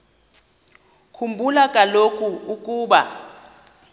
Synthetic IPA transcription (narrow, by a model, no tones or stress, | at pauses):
kʰumbʱulakʼalokʼuukʼuːɓa̰